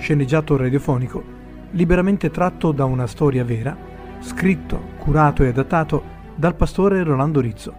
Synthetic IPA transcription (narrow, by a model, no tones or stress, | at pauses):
ʃenːed͡ʒːaːt̪orad̪jofɔːniko | libeɾament̪et̪ɾat̪ːod̪aunast̪ɔːɾjavɛːɾa | skɾit̪ːo̰kʰuɾaːt̪oead̪at̪ːaːt̪o | d̪alpast̪oːɾeroland̪oɾit̪sːo